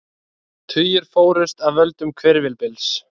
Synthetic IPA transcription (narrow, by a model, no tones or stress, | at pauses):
t̪ʰʏjɪɾ̥foːwɾʏst̪aðvœlt̪ʏmkʰvɛɾvɪlpɪls